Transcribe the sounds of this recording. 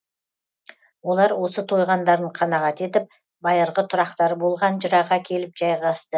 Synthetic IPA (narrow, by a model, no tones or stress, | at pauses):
wo̞lˠɑɾwo̞sət̪ʰo̞jʁɑnd̪ɑɾd̪əɴqʰɑnɑʁɑt̪e̞t̪ɪp̚ | bɑjəɾʁət̪ʰʊɾɑqt̪ɑɾəbo̞lˠʁɑnʒəɾɑʁɑkʲʰe̞lɪp̚ʒɑjʁɑst̪ə